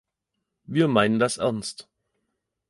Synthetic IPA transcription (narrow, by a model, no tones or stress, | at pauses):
viːɐmaɪnəndasʔɛ̰ɐnst